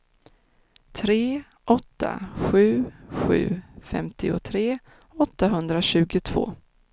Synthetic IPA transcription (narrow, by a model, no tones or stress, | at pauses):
t̪ʰɾeː | ʔɔt̪ːa̰ɧʉ̟ːɧʉ̟̰ːfɛ̰mt̪ɪʊ̰t̪ʰɾeː | ɔt̪ːaɦɵnd̪ɾaɕʉ̟ːɡʊt̪ʰv̥o̰ː